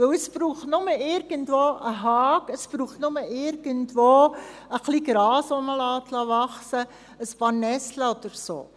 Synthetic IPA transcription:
ʋɵwəspruːχtnʊməɪɾɡ̥əntʋoːʔəɦɑːkəspruːχtnʊməɪɾɡ̥əntʋoəχliːɡ̥ɾɑːsoməlɑːt̪lɑʋɑχsə | əspɑːrnɛsləɔd̪̥əɾso̰ː

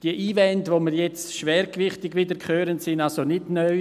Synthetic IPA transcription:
d̥iəʔiːvɛntʋoməɾjɛt͡sʃʋɛːɾkʋɪχtɪɡʋidəɾkʰχøːɾəntsɪnalsonɪdnœʏ

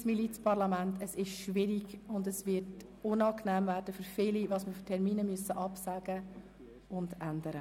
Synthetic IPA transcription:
smilit͡spʰɑɾlɑmæntʰəsɪʃʃʋɪɾiɡʊndəsʋɪɾt | ʊnɑːknɛːmvæːɾd̥əfʏɾfɪliʋɑːsməftʰɛɾmiːnəmyəsəʔɑpsæɡ̥ə | ʊndændəɾə

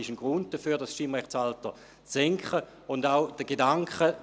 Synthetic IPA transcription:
ɪʃənɡ̥ʁʊnd̚d̥əfyːɐdasʃimʁɛχsaltə | t͡sːɛŋkχə | ʊndaʊd̥əɡ̥edaŋkχə

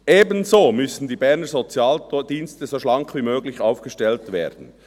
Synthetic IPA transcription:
ʔeːbənzoːmʏsn̩diːbɛʁnəzot͡sjaːld̥iːnstəzoʃlɑŋkʰviːmøːɡlɪçaʊfɡ̥əʃtɛltvḛːɐd̥n̩

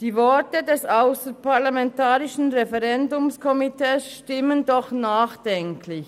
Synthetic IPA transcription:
d̥iːvɔɐtədɛsaʊsəpaɐlamɛntaːʁɪʃn̩ʁɛfɛʁɛndʊmskʰɔmitʰɛːsʃtɪməndɔχnaːχd̥ɛŋkʰlɪç

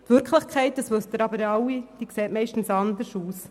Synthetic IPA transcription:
tʋʏɾkχlɪχkʰɛɪt̚dəsʋɵst̪əɾɑbəɾɑwid̥ikseːtmɛɪʃtn̩sɑnd̪əɾʃuːs

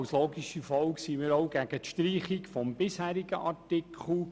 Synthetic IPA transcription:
wsloːɡiʃifɔwksimɪɾɔʊɡæɡ̥ətʃtɾiːχikfɔmbɪshæːɾiɡ̥əʔɑrtɪkʰχl̩

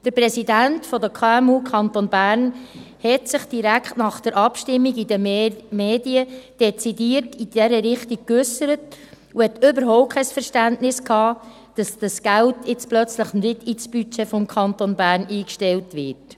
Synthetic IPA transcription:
d̥əɾpɾɛsidæntfɔdəkʰɑːɛmuːkʰɑntonbæːrn | hɛtsɪχd̥iɾækχtnɑχd̥əɾʔɑpʃtɪmːiɡidəmeːdiəd̥ɛt͡sidiːərtid̥ɛɾəɾɪχtik̚kʏsəɾət | uhɛtʏbəɾɦɔʊp̚kʰːɛɪsfəɾʃtæntnɪskʰɑː | d̥ɑsd̥ɑsɡ̥æltɪt͡splœt͡sləχnɪdit͡sb̥yt͡ʃefɔmkʰχɑnt̪onbæːɾniːkʃtɛltʋɪːrt

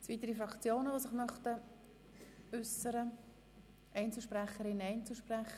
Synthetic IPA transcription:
t͡svit̪əɾifɾɑkt͡sjoːnəʋosɪχmœχtə | ʏsəɾə | ʔɛɪnt͡səlʃpʁæχːəɾɪnɛɪnt͡suʃprɛχə

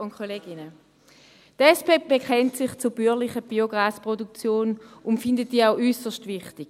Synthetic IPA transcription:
ʊnkʰoleːɡɪnə | tɛspeːb̥ekχɛntsɪχt͡sub̥ylɪχəb̥ioɡʁaːspʁodukt͡sjoːnʊntfɪndət̚d̥iːaʊʔysəʃtvɪχtɪɡ̥

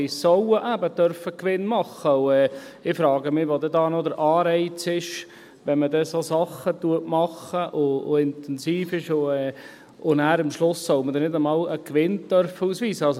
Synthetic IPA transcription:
ɪsɔwəʔæbət̪œɾfəkʋɪnmɑχːəwɛːɪfɾɑːɡəmɪʋod̪ɛdɑːnɔd̪əɾʔɑːɾɛɪt͡sɪʃ | ʋɛnmədɛsosɑχːət̪uətmɑχəʔʊʊɪnt̪ɛnsiːfɪʃʊɛː | ʊnæːɾɪmʃlʊsːɔwmədɛnɪdəmɑːləkʋɪnt̪œɾfəuːsʋiːsəɑls

